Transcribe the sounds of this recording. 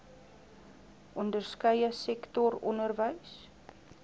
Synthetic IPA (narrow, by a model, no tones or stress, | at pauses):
ʔɔndərskəjəsɛktɔrɔnərvəjs